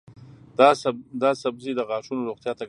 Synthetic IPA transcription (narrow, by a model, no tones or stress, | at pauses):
d̪ɑsabzid̪əɣɑʃunoɾoɣt̪jɑt̪a